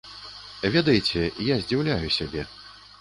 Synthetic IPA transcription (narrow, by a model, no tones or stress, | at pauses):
vʲɛd̪ɐjt͡sʲɛjazʲd͡zʲiwlʲajusʲabʲɛ